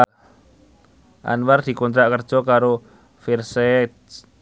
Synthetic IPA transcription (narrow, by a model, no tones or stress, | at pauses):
ʔa̰nward̪̥i̤kɔnt̪ɾaʔkər̥d͡ʒ̥ɔkaɾo | firse